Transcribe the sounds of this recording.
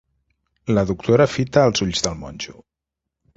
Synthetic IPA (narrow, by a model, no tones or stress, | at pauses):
ləðuk̚t̪oɾəfit̪əːlˠzuʎzðəlˠmɔ̰nʲʒu